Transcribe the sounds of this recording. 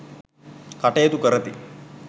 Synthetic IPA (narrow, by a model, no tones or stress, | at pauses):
kaʈejɐt̪ukəɾɐt̪i